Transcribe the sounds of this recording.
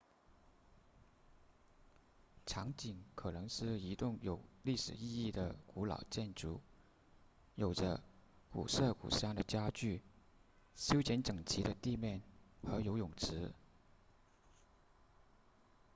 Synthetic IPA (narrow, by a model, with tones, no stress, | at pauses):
ʈ͡ʂʰɑ˧˥ŋt͡ɕi˨˩˦ŋkʰɤ˨˩nɤ˧˥ŋʂɻ̩˥˩i˧˥t̪ʊ˥˩ŋjo˨˩ʊli˥˩ʂɻ̩˨˩i˥˧i˥˩d̪ə˩ku˧˥lɑ̰˨˩ʊt͡ɕjɛ˥˩nʈ͡ʂṵ˧˥ | jo˨˩ʊʈ͡ʂə̰˦ | kṵ˨˩sɤ˥˩kṵ˨˩ɕɑ˥˩ŋd̪ə˨t͡ɕja˥t͡ɕy˥˩ | ɕjo˥ʊt͡ɕjɛ˧˥nʈ͡ʂɤ˨˩ŋt͡ɕʰi˧˥d̪ə˧t̪i˥˧mjɛ˥˩nxɤ˧˥jo˧˥ʊjʊ˨˩ŋʈ͡ʂʰɻ̩˧˥